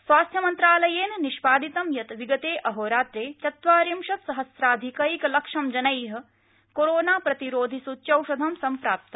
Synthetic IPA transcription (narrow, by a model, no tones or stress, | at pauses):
sʋaːst̪ʰjɐmɐnt̪ɾaːlɐjeːnniʃpaːd̪it̪ɐmjɐt̪ʋiɡɐt̪eːʔɐɦoːɾaːt̪ɾeːt͡ʃ̪ɐt̪ʋaːɾimʃɐt̪sɐɦɐsɾaːd̪ʱikɐikɐlɐkʂɐmd͡ʒɐnɐjɦɐ̆ | koɾoːnaːpɾɐt̪iɾoːd̪ʱisutːt͡ʃɐwʃɐd̪ʱɐmsɐmpɾaːp̚t̪ɐ